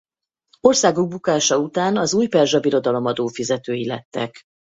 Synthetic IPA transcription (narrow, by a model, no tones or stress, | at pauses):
o̞rsaːɡuɡ̚bukaːʃɒut̪aːnɒzuːjpɛrʒɒbiɾo̞d̪ɒlo̞mɒd̪oːfizɛt̪øːjilɛt̪ːɛ̰k